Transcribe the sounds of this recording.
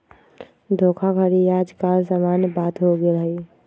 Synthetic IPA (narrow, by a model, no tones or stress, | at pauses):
d̪ʱokʰakʰəɾiad͡ʒkalsamanbat̪ɦoɡelɦi